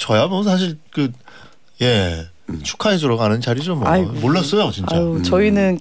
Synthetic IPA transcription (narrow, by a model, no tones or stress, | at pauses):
t͡ɕʌjamʌsʰaɕ̬ʰiɭkɯ | je | t͡ɕʰu̥kʰaes̬ʰoɾʌɡanɯnt͡ɕaɾid͡ʑomːamoɭːas͈ʌjot͡ɕint͡ɕat͡ɕʌinɯn